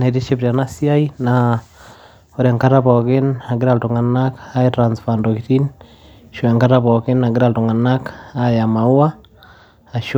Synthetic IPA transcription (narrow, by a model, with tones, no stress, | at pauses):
na˨ti˦ʃe˦pɾa˨nasi˦aina | o˦ɾa˨ŋkatapɔki˦na˨ɡi˦ɾa˨ltu˨ŋa˨naka˦etɾansfandokitin | ʃua˨ŋka˦taβɔ˨ki˦na˨ɡi˦ɾa˨ltu˨ŋa˨nakajama˨u˦a˦ | a˨ʃ